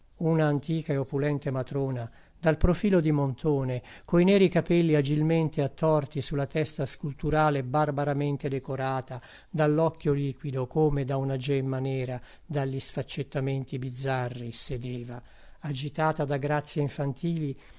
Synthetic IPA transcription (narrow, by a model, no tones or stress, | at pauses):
unaːnt̪iːkaeopulɛnt̪emat̪ɾoːna | d̪alpɾofiːlod̪imont̪ʰoːnekoinɛːɾikapɛlːiad͡ʒilment̪eat̪ːɔrt̪isulːat̪ɛst̪askult̪uɾaːlebarbaɾament̪ed̪ekoɾaːt̪a | d̪alːɔkːjoliːkwid̪okoːmed̪aunad͡ʒɛmːanɛːɾa | d̪aʎːisfat͡ʃːet̪ːament̪ibid̪zːarːised̪eːva | ad͡ʒit̪aːt̪ad̪aɡɾat̪sːjeiɱfant̪iːli